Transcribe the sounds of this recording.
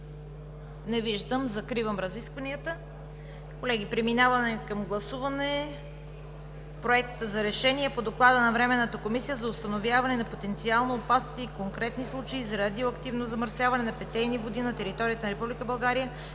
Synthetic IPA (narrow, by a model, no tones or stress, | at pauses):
nɛviʒd̪əmzɐkɾivəmɾɐziskvɐniət̪ə | kolɛɡ̟ipɾɛminavɐnɛkɐmɡlˠɐsuvɐnɛ | pɾoɛkt̪əzɐɾɛʃɛniɛpod̪oklˠad̪ənɐvɾɛmɛnːət̪əkomisijəzɐʊst̪ɐnovjavɐnɛnɐpot̪ɛnt̪sialˠnoːpast̪iikoŋkɾɛt̪nislˠut͡ʃəizɐɾad̪ioɐkt̪ivnozɐməɾsʲjavɐnɛnɐpɛt̪ɛjnivod̪inɐt̪ɛɾit̪ɔɾijət̪ənɐɾɛpublikəbɐlˠɡaɾijə